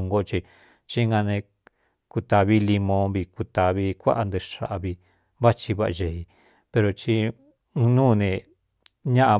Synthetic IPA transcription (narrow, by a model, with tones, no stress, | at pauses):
ŋɡo˦˧t͡ʃi˧ | t͡ʃi˦ŋɡã˧nẽ˧ | ku˧t̪a˧βi˦li˧mõ˧˦βi˧ku˧t̪a˨βi˧˦kʷa̰˦ʔa˧nd̪e˧ʂa̰˧ʔa˧βi˧ | βa˦t͡ʃi˧βa˦ʔa̰˧ʒe˧˨i˧ | pe˧ɾo˧t͡ʃĩ˧ | nũː˦˨˧nẽ˧˨ | ɲã˦ʔa˧